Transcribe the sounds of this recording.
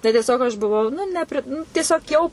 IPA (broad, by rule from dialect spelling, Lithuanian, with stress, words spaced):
tɐɪ tʲiɛˈsʲoːk ɐʃ bʊˈʋɐʊ nʊ nʲɛpʲrʲɪ nʊ tʲiɛˈsʲoːk jɛʊ